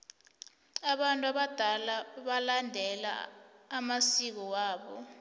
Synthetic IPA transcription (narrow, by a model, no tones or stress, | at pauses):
aɓantʼuaɓad̥ʱalaɓalandʱɛla̰ːmasik̬ɔwaːɓɔ̰